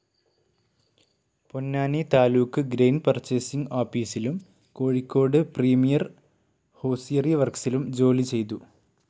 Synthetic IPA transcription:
ponːaːnit̪aːluːkːɨɡɾejnpɐrt͡ɕːesiŋɡaːfiːsilum | ko̞ːɻikʲːo̞ːɽɨpriːmijɐr | ho̞ːsijɐrjɐʋɐrksilumd͡ʑo̞ːlit͡ɕe̞jt̪u

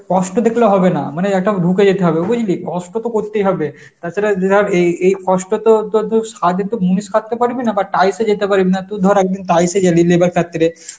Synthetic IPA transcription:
kɔʃʈod̪ekʰloɦɔbena̰maneɛk̚ʈabʱuked͡ʑet̪eɦɔbeobod͡ʑilikɔsʈot̪okoɾt̪ejɦɔbe | t̪at͡ʃʰaɾed͡ʑeɾeejkɔsʈot̪ot̪ot̪oʃad̪ʱit̪omuniskʰat̪ːepaɾibinabaʈajsed͡ʑet̪epaɾibinat̪ud̪ʱɔɾɛk̚d̪inʈajsed͡ʑalilebaɾkʰat̪ːiɾe

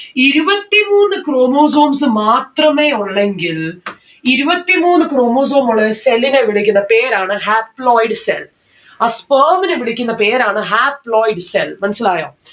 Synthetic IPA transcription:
iɾubɐt̪ːimuːnːɨkroːmoːs̬oːmsɨmaːt̪rɐmeːuɭːeŋɡil | iɾubɐt̪ːimuːnːɨkɾoːmoːs̬oːmuɭːɐselːineʋiɭikʲːunːɐpeːɾaːɳɨɦaːploːjɖɨsḛl | aːspəːmineʋiɭikʲːunːɐpeːɾaːɳɨɦaːpɭoːjɖselmɐnɐsilaːjo̰ː

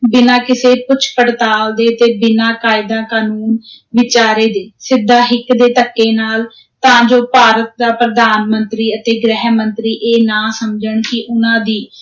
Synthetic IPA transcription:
bɪnãːkɪseːpʊt͡ʃʰpəɽt̪aːld̪eːət̪eːbɪnãːkaːɪd̪ãːkaːnuːn | ʋɪt͡ʃaːɾeːd̪eːsɪd̪ʱːaːɦɪkd̪eːt̪əkːeːnaːl | t̪ãːd͡ʒoːpaːɾət̪̚d̪aːpɾəd̪aːnmənt̪ɾiːət̪eːɡɾɛːɦmənt̪ɾiːʔeːnãːsəmd͡ʒəɳkɪʔʊnãːd̪iː

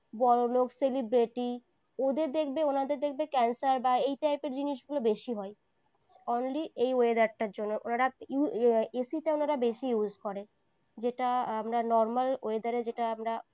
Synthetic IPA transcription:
bɔɾolokselibɾeʈi | od̪eɾd̪ekʰbeonad̪eɾd̪ekʰbekɛnsaɾbaejʈajpeɾd͡ʑiniʃɡulobeʃiɦɔe | onliejoed̪aɾʈaɾd͡ʑonːoʔo̰naɾauesiʈaonaɾabeʃijuzkɔɾe | d͡ʑeʈaamɾanɔɾmaloed̪aɾed͡ʑeʈaamɾa

